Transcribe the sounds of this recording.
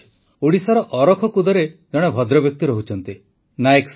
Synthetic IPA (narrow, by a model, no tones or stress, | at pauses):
oɽisɔɾɔʔɔɾɔkʰɔkud̪ɔɾed͡ʒɔɽ̃ebʱɔd̪ɾɔbjɔk̚t̪iɾɔɦut͡ʃʰɔnt̪i | naeks